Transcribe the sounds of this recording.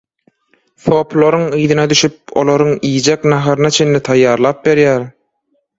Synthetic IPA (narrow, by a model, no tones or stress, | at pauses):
θo̞pʰlˠoɾɯŋɯːðɯnɑd̪yʃyp̚o̞̰lˠoɾuŋijd͡ʒeknɑɦɑɾɯnɑt͡ʃʰe̞nlit̪ʰɑjːɑːɾlˠɑːp̚be̞ɾjæɾ